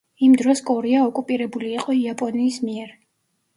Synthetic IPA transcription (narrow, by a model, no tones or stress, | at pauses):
imd̪ɾɔskʼɔɾiaɔkʼupʼiɾɛbuliːqʼɔiapʼɔniːsmiɛɾ